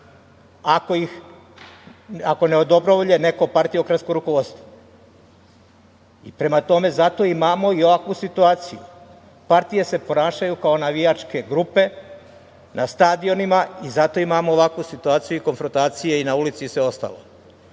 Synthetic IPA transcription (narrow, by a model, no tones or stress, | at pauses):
ako̞jix | ako̞ne̞o̞d̪o̞bɾoʋoʎene̞ko̞paɾt̪ijeokɾaskoɾukoʋod̪st̪ʋo | ipɾe̞mat̪o̞me̞zat̪o̞imaːmo̞io̞ʋakʋusit̪uaːt̪sijṵ | paɾt̪ije̞se̞po̞naːʃajukao̞naʋijat͡ʃke̞ɡɾupe̞ | nʔast̪aːd̪io̞nimaizat̪o̞imaːmoːʋakʋusit̪uaːt̪sijuiko̞nfɾont̪aːt̪sije̞inaulit̪sisʋe̞o̞st̪a̰lo̰